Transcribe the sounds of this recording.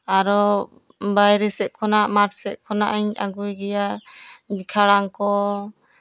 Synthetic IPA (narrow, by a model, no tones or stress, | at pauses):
aɾɔ | bajɾɛsɛʔ̚kʰɔnaʔmaɾsɛʔ̪̚kʰɔnaʔaɲa̰ɡujɡɛjadikʰaɽaŋkɔ